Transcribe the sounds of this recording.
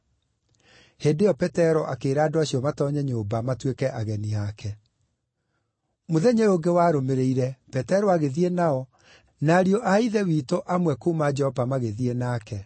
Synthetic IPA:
heːdejɔpɛtɛɾɔʔakeːɾaːdoaɕiɔmatɔɲɛɲoːbamatwekɛʔaɣɛniakʰɛ | moðɛɲeoŋɡewaːɾomeɾeiɾɛpɛtɛɾɔaɣeðienaɔ | naːɾiɔʔaiðɛwiːtoʔamwɛkoːmad͡ʒɛɔvamaɣeðienaːkɛ

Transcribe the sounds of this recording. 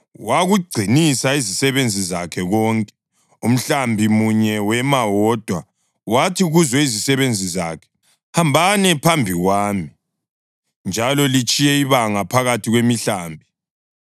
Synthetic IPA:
waɣuɡ͡ǀʱinisaizisɛβend͡zʱizakʰɛɣɔːŋkʼɛ̥ | um̩ɬambʱimuɲɛwɛmawɔd̥ʱwa | watʰiɣuzɔizisɛβend͡zʱiza̰kʰɛ̥ | hambʱanɛpʰambʱiɣwaːmi | nd͡ʒʱalɔlit͡ʃʼijɛiβaŋapʰaɣatʰiɣwemiɬaːmbʱi

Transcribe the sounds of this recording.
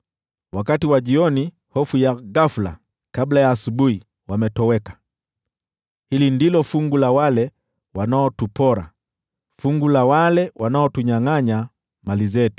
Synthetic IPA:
wakatiwaʄiɔni | hɔfujaɣafula̰ | kablajaːsuɓuhi | wamɛtɔwɛkḁ | hilindilɔfuŋɡulawalɛ | wanaɔtupɔɾa̰ | fuŋɡulawalɛwʔanaɔtuɲaŋaɲa | malizɛtu̥

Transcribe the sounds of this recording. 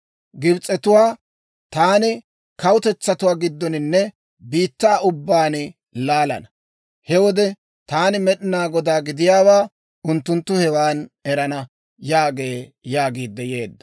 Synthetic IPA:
ɡɪbt͡sʼːɛt̪ʊwaː | t̪aːnɪ | kɐwʊt̪ɛt͡sːɐt̪ʊwaːɡɪd̪ːɔnɪnːɛ | biːt̪ːaːʔʊbːaːn | laːlɐ̰nɐ | hɛwɔd̪ɛ | t̪aːnɪmɛɗɪnaːɡɔd̪aːɡɪd̪ɪjaːwaː | ʔʊnt̪ːʊnt̪ːʊhɛwaːnɛɾɐnɐ | jaːɡeːjaːɡiːd̪ːɛje̞̰ːd̪ːɐ̥

